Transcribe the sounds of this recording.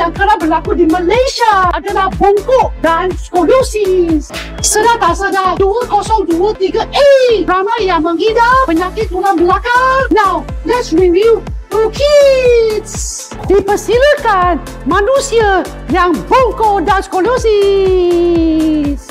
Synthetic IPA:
jaŋkəɾabərlakudiməlajʃaadalahbɔŋkoʔdanskolosis | sənat̪asadaduəkɔsɔŋduət̪iɡaʔeramajaŋməŋhidapəɲakɪt̪̚dulanbəlakarnawlɛtsɹivuɾukʰits | dipəsiləkan | manusia | jaŋbɔŋkoʔdanskolosi | s

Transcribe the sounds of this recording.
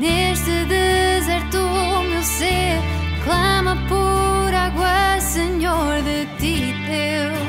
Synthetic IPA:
neʃt̪ɨðɨzɛɾt̪umewse | klˠɐmɐpoɾaɣwɐsɨɲoɾðɨt̪i | t̪e | ww

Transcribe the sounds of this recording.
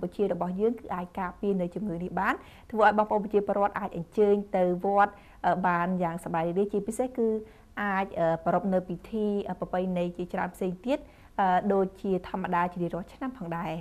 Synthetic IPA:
mput͡ɕiərɔɓɑhjəːŋkɨːʔaːc̚kaːpiənɨwt͡ɕumŋɨːnihɓaːn | t̪ʰʋəːʔaɔjɓɑmpə̰̆ʔonpɑt͡ɕiəpoːərŏət̪̚ʔaːc̚ʔɑɲt͡ɕəːɲt̪ɨwʋŏət̪̚ | ʔəːɓaːnjaːŋsaɓaɛɾiɾiət͡ɕiəpisehkɨː | ʔaːc̚ʔəːpɔɾop̚nɨwpit̪ʰiːʔəːpəpɨjnɨjt͡ɕiət͡ɕraənpʰseːŋt̪iət̪̚ | ʔəːɗoːc̚t͡ɕiət̪ʰŏəmːəɗaːt͡ɕiɾiərŏəlt͡ɕʰnampʰɑːŋɗaɛ

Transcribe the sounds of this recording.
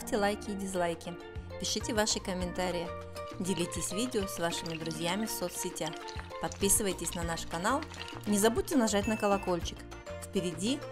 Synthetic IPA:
ftʲɪlˠajkʲɪːdʲɪzlˠajkʲɪ | pʲɪʂɨtʲɪvaʂɨkəmʲɪnt̪aɾʲɪjɪ | dʲɪlʲitʲɪsʲvʲidʲɪosvaʂɨmʲɪd̪ɾʊzʲjamʲɪfsot̪ssʲɪtʲax | pɐt̪̚pʲisɨvəjtʲɪsʲnɐnaʂkɐnalˠnʲɪzɐbud̚ʲtʲɪnɐʐatʲnəkəlˠɐko̞lʲt͡ɕɪ̥k | fpʲɪɾʲɪdʲi

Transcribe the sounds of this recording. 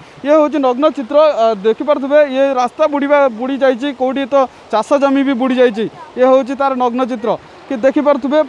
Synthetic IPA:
jeɦowt͡ʃʰinɔɡnɔt͡ʃit̪ɾɔd̪ekʰipaɾt̪ʰubejeɾast̪abuɽibabuɽid͡ʒajt͡ʃʰikowʈiet̪ɔ | t͡ʃasɔd͡ʒɔmibʱibuɽid͡ʒajt͡ʃʰijeɦowt͡ʃʰit̪aɾnɔɡnɔt͡ʃit̪̬ɾɔ | kid̪ekʰipaɾt̪ʰube

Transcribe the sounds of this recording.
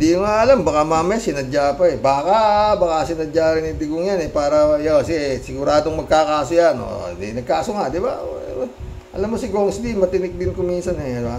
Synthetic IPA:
d̪ijʊŋaʔɐlambɐkamaːmɐsɪnɐd͡ʒaːpɐɛbaːkabɐkasɪnɐd͡ʒaːɾɪnɪd̪ɪɡoŋjanɛpaːɾɐjoɐsisɪɡʊɾaːd̪oŋmɐɡ̚kakaːsojano̰d̪ḭnɐɡ̚kaːsoŋad̪ɪba̰ | ʔɐ̰lamːosɪɡuːɾoŋsɪd̪imɐt̪ɪnɪk̚d̪ɪnkʊmiːnsɐnɛba

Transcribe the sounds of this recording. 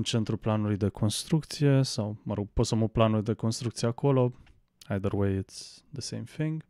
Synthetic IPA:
nt͡ʃent̪ɾuplanuluid̪ekʰonst̪ɾuk̚t̪sijesawməɾoɡposamuplanulid̪ekonst̪ɾukt̪sijeakolo | ajd̪əɾwejɪt̪sd̪əsẽjmfĩŋɡ

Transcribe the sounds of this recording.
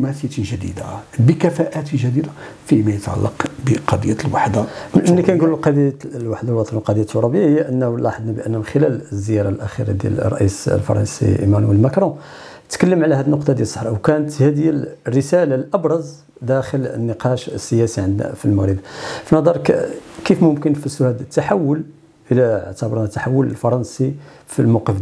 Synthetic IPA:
mæsəj̪ʒæd̪ḭd̪a̰bəkæfæʔæt̪əʒæd̪id̪a | fimæjət̪ʕa̰lːɑqbəqɑd̪ˤəjːalwaħd̪aʔmnːikænɡullqɑd̪ˤjalwaħd̪ahwɑt̪ˤlqɑd̪ˤjːæt̪ːoɾɑbəjahəjːæʔənːlɑħəd̪nabəʔənːæmənxəlælzːəjɑɾˤɑlʔæxḭɾɑ̰d̪jæ̰l̰rˤːɑ̰ʔḭslfɑ̰ɾˤɑ̰nsḭʔḭmænwəlmækɾˤõ | t̪kəlːəmʕlæhæd̪ənːʊqt̪ˤɑd̪jælsˤəħɾʔwkænət̪hæd̪jælrːəsælalʔɑbɾˤɑz | d̪æxələ̰nːəqɑʃəsːəjæsiʕənd̪næ̰filməɣɾəbfinɑd̪ˤɑɾˤkkifmʊmkənfisʊhæd̪ət̪ːaħawːəl | ʔəlæ̰ʕt̪əbɑɾˤnæt̪ːaħawːələlfɑɾˤɑnsi | filmɑqəf

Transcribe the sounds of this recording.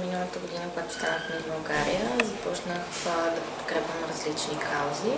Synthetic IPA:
minəlˠət̪əɡʊd̪inəkʊɡat̪ʊ̥st̪anəxmɛzbɐlˠɡaɾijəzɐpɔt͡ʃnəx | d̪ɐpo̥t̪kɾɛpʲvəmɾɐzlit͡ʃnikʰawzi

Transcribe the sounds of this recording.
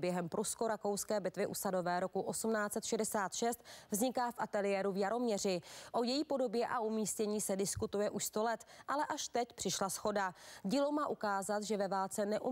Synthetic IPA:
bjɛɦɛmpɾʔusko̞ɾako̞wskɛːbɪt̪vɪʔusado̞vɛːɾo̞kuʔo̞sumnaːt͡sɛt̪ʃɛdɛsaːt̪ʃɛst̪vzɲɪkaːfʔat̪ɛlɪjɛːɾuvjaɾo̞mɲɛrɪʔo̞jɛjiːpo̞do̞bjɛʔaʔumiːscɛɲiːsɛdɪskut̪ujɛʔuʃst̪o̞lɛt̪ʔalɛʔaʃt̪ɛcpr̝̥ɪʃlasxo̞daɟiːlowmaːʔukaːzat̪ʒɛvɛvaːlt͡sɛnɛʔu

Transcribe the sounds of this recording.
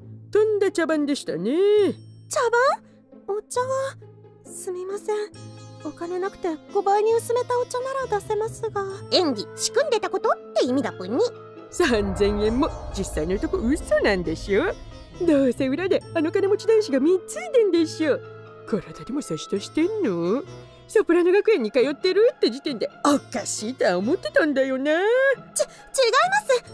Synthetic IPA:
t̪õ̞nd̪at͡ɕabãnd̪e̞ɕi̥t̪anet͡ɕabãɰ | ot͡ɕaβa | sɨmʲimasẽ̞ɴβakane̞nakɯ̟̥t̪e̞ɡ̥o̞baiɲ̟iɯ̟sɨme̞t̪ao̞t͡ɕanaɾad̪ase̞masɨɡaẽ̞ŋɡʲiɕi̥kɯ̟̃nd̪e̞t̪ako̞t̪ot̪ːe̞imʲid̪apɯ̃ɲ̟ːi | sãnzẽ̞ɰ̃ẽ̞mːo̞d͡ʑisːainoɯt̪okoɯ̟sɨnãnd̪e̞ɕɨo | d̪oːse̞ɯ̟ɾad̪eano̞kanemo̞t͡ɕid̪ãɰ̃ɕiɡamʲit͡sɨit̪ẽnd̪e̞ɕio | koɾad̪ad̪e̞mo̞seɕi̥t̪oɕi̥t̪e̞nːo | sopɯ̟ɾano̞ɡakɯ̟ẽ̞ɲ̟ːikajo̞t̪ːe̞ɾɯ̟t̪ːe̞d͡ʑit̪ẽ̞nd̪e̞okaɕiːt̪oaomo̞t̪ːe̞t̪ãnd̪ajo̞net͡ɕa | t͡ɕiɡaimasɨ

